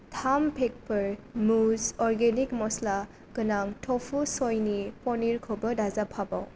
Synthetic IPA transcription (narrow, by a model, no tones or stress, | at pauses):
tʰampʰek̚pɯɹmuzɔɾɡenikmɔsla | kɯnaŋtʰɔpʰusɔjnipɔniɾkʰɔbɯdazapʰaba̰w